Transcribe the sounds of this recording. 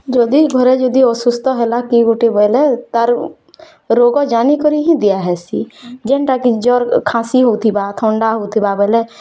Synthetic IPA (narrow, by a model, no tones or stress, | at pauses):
d͡ʒod̪iɡʱɔɾed͡ʒod̪iosʊst̪ɔɦɛlakiɡuʈebɛːlɛt̪əɾ | ɾoːɡɔd͡ʒaːnikɔɾiɦĩd̪ɪjaɦɛsḭːd͡ʒenʈakid͡ʒɔːɾkʰãːsiɦot̪ʰibaːt̪ʰõːɳɖaɦoːt̪ʰibaːbɛlɛ